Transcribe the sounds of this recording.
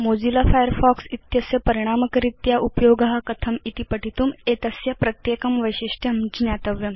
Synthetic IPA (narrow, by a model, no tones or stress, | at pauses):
moːd͡zilafajəɾfɔksit̪jɐsjɐpɐɾiɽ̃aːməkɾit̪jaʔupjoːɡɐɦakɐt̪ʰɐmit̪ipɐʈit̪uːmet̪ɐsjɐpɾɐt̪jekɐmʋəjɕiʂʈʰjɐmd͡ʑnjaːt̪ɐʋjɐm